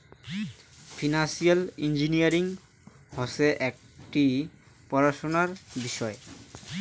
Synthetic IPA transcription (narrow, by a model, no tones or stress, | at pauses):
fʰinasialind͡ʑiniaɾiŋ | hɔseʔɛk̚ | ʈi | pɔɾaʃonaɾbiʃɔe